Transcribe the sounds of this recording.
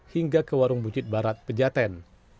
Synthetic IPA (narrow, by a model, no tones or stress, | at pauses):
hiŋɡakəwaɾʊŋbut͡ʃɪt̪̚baɾat̪̚pəd͡ʒat̪ɛn